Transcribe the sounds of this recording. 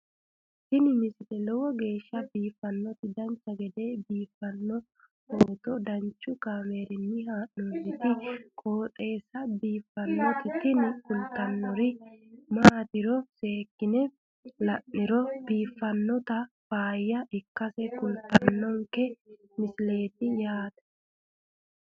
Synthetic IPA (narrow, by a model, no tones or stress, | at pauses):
t̪ɪnɪmɪslɛlɔwɔɡe̞ːʃːɐbiːfːɐnːɔt̪ɪd̪ɐnt͡ʃːɐɡɛd̪eːbiːfːɐnːɔ | hoːt̪ɔd̪ɐnt͡ʃːʊkaːmeːɾɪnːɪɦaːʔnɔnːɪt̪ɪkʼoːt̪ʼe̞ːsɐbiːfːɐnːɔt̪ɪt̪ɪnɪkʊlt̪ɐnːɔɾɪmaːt̪ɪɾɔse̞ːkːɪnɛ | lɐʔːɪɾɔbiːfːɐnːɔt̪ɐfaːjːɐʔɪkːɐsɛkʊlt̪ɐnːɔŋkɛ | mɪsle̞ːt̪ɪjaːt̪ɐ̥